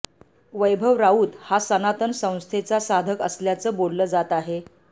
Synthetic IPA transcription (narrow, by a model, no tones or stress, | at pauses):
ʋəjbʱəʋɾauːt̪hasənat̪ənsə̃w̃st̪ʰet͡sasad̪ʱəkəsljat͡səːbolləːd͡zat̪aɦe